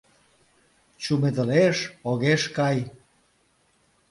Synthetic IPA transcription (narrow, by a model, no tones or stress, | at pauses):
t͡ɕumed̪əleʃoɣeʃkɑj